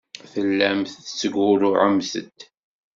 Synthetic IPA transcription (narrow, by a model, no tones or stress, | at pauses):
θəlːæmθt͡sːəɡʊɾʊʕəmsə̰d̪